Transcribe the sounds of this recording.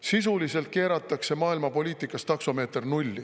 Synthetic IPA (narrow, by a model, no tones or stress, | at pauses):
sisulise̞lt̪̚ke̞ːɾɑt̪ːˑɑkse̞mɑːilmɑpo̞lʲiːt̪ˑikːˑɑst̪ɑksome̞ːt̪rnulʲːi